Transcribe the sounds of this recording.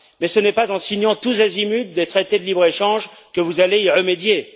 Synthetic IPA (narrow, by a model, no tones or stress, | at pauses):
mɛsənɛpazɑ̃siɲɑ̃t̪uzazimyt̪̚d̪et̪χet̪ed̪əlibʁeʃɑ̃ʒkəvuzaleiʁəmed̪je